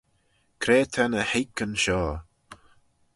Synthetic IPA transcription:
kʰɾeːt̪ʰanəhekənʃɔː

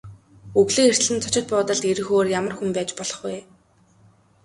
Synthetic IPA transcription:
ɵɣɮeːxer̥ɮɘ̆ntt͡sʰɔ̥t͡ɕɪ̆t̪̚pʊːt̪ə̆ɮt̪eɾɘ̆xoːrjamə̆rxumpæːt͡ɕpɔɮ̥ɞ̆χɡuj

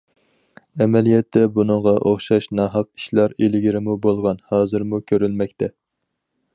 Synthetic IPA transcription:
ɛmɛlijɛt̪ʰːɛbunɨŋʁɑʔoχʃɑʃnɑɦɑq̚i̥ʃlˠɑɾelɪɡʲiɾɪmubolˠʁɑnhɑːzɨɾmukʲʰøɾylmɛk̚ʲt̪ʰɛ

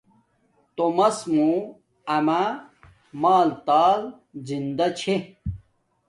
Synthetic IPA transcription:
t̪omɐsmũ | ɐma | maːlt̪aːl | zind̪ɐt͡ɕʰe

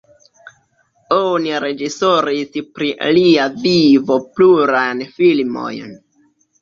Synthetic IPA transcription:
oniɾe̞d͡ʒisoɾispɾiliavivo̞pluɾajnfilmo̞̰jn

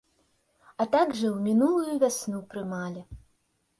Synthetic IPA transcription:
ɐt̪aɡʐɐwmʲinulˠujuvʲasʲnupɾɨmalʲi

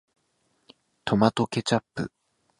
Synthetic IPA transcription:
t̪o̞mat̪o̞ke̞t͡ɕapːɯ̰

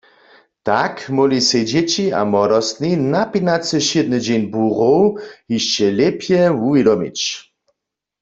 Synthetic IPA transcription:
t̪akmɔlised͡ʑet͡ɕia̰mɔdɔst̪ninapinat͡səʃed̪nəd͡ʑenbuʁowhiʃt͡ʃɛlɛpjɛwuvjedɔmḭt͡ɕ

